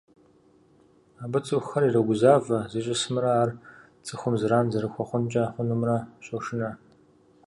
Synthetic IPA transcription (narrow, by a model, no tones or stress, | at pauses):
aːbɨt͡sʼɨxɐɾirɐɡʷʊzaːvɐzɨt͡ʃʼɪsɨmɨɾɐaːr | t͡sʼɨxʷʊmzɨɾaːnzɐɾɨxʷɔχʷʊnt͡ʃʼaħʷʊnumrɐɕʼɔʂɪnɐ